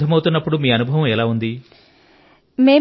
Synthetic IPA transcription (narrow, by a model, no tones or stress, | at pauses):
ɐmɐwut̪unːɐpːuɽumiːɐnubʱɐʋɐ̃mɛlaːund̪i | me̞ː